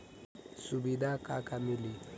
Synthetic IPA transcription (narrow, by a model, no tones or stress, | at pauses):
subidakʼakʼamili